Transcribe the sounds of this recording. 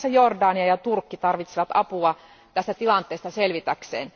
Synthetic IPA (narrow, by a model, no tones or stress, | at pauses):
sɑjordɑːniɑjɑt̪urkːit̪ɑrʋit̪siʋɑt̪ɑpuɑ | t̪æst̪æt̪ilɑnt̪ˑeːst̪ɑselʋit̪æksḛːn